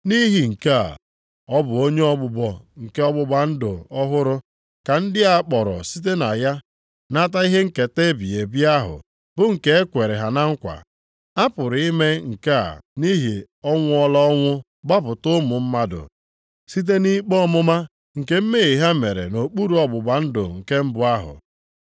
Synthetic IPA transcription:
ni˦ɦi˨ŋ̩˨ke˦a̰˨ | ɔ˦bʊ˨o˦ɲe˦ɔ˦bʊ˦bɔ˨ŋ̩˨ke˦ɔ˦bʊ˦ba˦n̩˦dʊ̰˨ɔ˦ɦʊ˦ɾʊ˦ | ka˨n̩˦dɪ˦a˦k͡pɔ˨ɾɔ̰˨si˦t̬e˦na˨ja˦ | na˦t̬a˦i˦ɦe˦ŋ̩˨ke˨te˦bi˨e˨bi˦a˦ɦʊ̰˨ | bʊ˦ŋ̩˨ke˦e˦kʷe˨ɾe˨ɦa˨na˦ŋ̩˦kʷa̰˨ | a˦pʊ˨ɾi˦me˦ŋ̩˨ke˦a̰˨ni˦ɦi˨ | ɔ˦ŋʷʊ˦ɔ˦la˦ɔ˦ŋʷʊ˦ | ɡ͡ba˦pʊ˨tʊ˦mʊ˨m̩˦ma˦dʊ̰˨ | si˦t̬e˦ni˦k͡pɔ˦mʊ˦ma˦ | ŋ̩˨ke˦m̩˦me˦˨ɣi˨ɦa˦me˨ɾḛ˨no˨k͡pu˦ɾu˨˦ɔ˦bʊ˨ba˨n̩˦dʊ̰˨ŋ̩˨ke˦m̩˦bʊ˦a˦ɦʊ̰˨

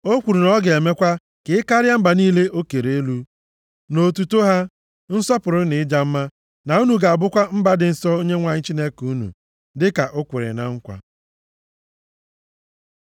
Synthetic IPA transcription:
o˦kʷu˨ɾu˨nɔ˦ɡe˨me˦kʷa˦ | kɪ˨ɪ˦ka˦ɾja˦m̩˦ba˨niː˦le˦ʔo˦ke˨ɾe˨e˦lu˦ | no˨tu˨to˦ɦa˦ | n̩˦sɔ˦pʊ˨ɾʊ˦nɪ˨ɪ˦d͡ʒa˦m̩˦ma˦ | na˨u˦nu˨ɡa˨a˨bʊ˦kʷa˦m̩˦ba˦dɪ˨n̩˨sɔ˦o˦ɲe˦ŋʷa˨ɲ̩˦t͡ʃi˦ne˦ku˦nṵ˨ | dɪ˦ka˨ʔʊ˦kʷe˨ɾḛ˨na˨ŋ̩˦kʷa̰˦

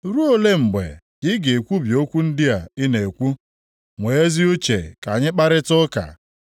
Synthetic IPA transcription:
ɾu˦o˦le˦m̩˨ɡ͡bḛ˨ | ɡɪ˦ɡe˨e˨kʷu˦bjo˦kʷu˦n̩˦dɪ˦a˨i˦ne˨kʷu˦ | ŋʷe˨e˦zi˦u˦t͡ʃe˨ka˨ɲɪ˦k͡pa˦ɾɪ˦tʊ˦ka̰˨

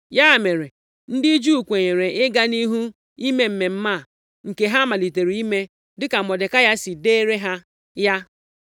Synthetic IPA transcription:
ja˦˨me˨ɾe˨ | n̩˦dɪ˦d͡ʒu˦u˨kʷe˨ɲe˨ɾe˨ɪ˦ɡa˦ni˦ɦu˦ | i˦me˦m̩˦me˨m̩˦ma˦˨ | ŋ̩˨ke˨ɦa˦ma˨li˨te˨ɾi˨i˦me˦ | dɪ˦ka˨mɔ˨de˨ka˦ja˦si˨de˦e˦ɾe˦ɦa˦ | ja˦

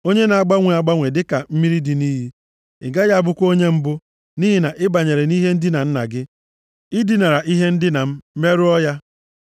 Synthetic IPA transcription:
o˦ɲe˦na˨a˨ɡ͡ba˦ŋʷe˨a˨ɡ͡ba˦ŋʷe˨dɪ˦ka˨m̩˦mi˦ɾi˦di˨niː˦ɦi˦ | ɪ̰˨ɡa˦ja˦˨bʊ˦kʷo˦ɲe˦m̩˦bʊ˦ | ni˦ɦi˦na˨ʔɪ˦ba˨ɲe˨ɾe˨ni˦ɦe˦n̩˦dɪ˦na˨n̩˦na̰˨ɡɪ˦ | i˦di˦˨na˨ɾa˨ʔi˦ɦe˦n̩˦dɪ˦na˨m̩˦me˦ɾʊ˦ɔ˦ja˦

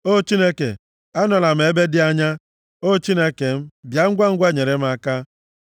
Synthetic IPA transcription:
o˦t͡ʃi˦ne˦kḛ˨ | a˦nɔ˨la˨m̩˨e˦be˦dɪ˦a˦ɲa˦ | o˦t͡ʃi˦ne˦ke˨m̩˦bja˨ŋ̩˦ɡʷa˦ŋ̩˦ɡʷa˦˨ɲe˨ɾe˨m̩˦a˦ka˦

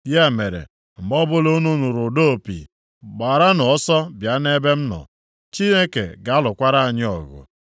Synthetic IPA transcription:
ja˦˨me˨ɾḛ˨ | m̩˨bɔ˦bʊ˦lo˦nu˦nu˨ɾʊ˨do˦o˨pḭ˨ | ɡ͡ba˨ɾa˦nɔ˨ɔ˦sɔ˦bja˨˦ne˦be˦m̩˦nɔ̰˨ | t͡ʃi˦ne˦kḛ˨ɡa˨a˦lʊ˨kʷa˦ɾa˦a˨ɲɪ˦ɔ̰˨ɣʊ̰˨

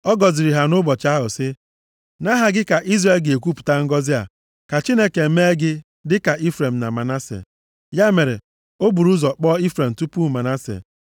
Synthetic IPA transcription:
ɔ˦ɡɔ˨zi˨ɾi˨ɦa˨nʊ˦bɔ˨t͡ʃa˦ɦʊ˨sɪ˦ | na˦ɦa˨ɡɪ˦ka˨ʔi˦zɾe˨lɡe˨e˨kʷu˦pu̥˨ta˦ŋ̩˦ɡɔ˦zɪ˦a̰˨ | ka˨t͡ʃi˦ne˦ke˨˦me˦ɡɪ˦ | dɪ˦ka˨ʔi˦fɾe˨m̩˨na̰˨ma˨na˦sḛ˨ | ja˦me˨ɾḛ˨ | o˦bu˨ɾu˦zɔ˨k͡pɔ˦i˦fɾe˨m̩˨tu˦pu˦˨ma˨na˦sḛ˨

